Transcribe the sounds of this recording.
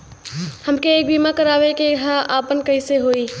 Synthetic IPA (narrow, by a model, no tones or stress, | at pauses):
hɐmkeeːk̚biːmakɐɾaːʋekeɦaʔaːpənkɐɪseɦoːiː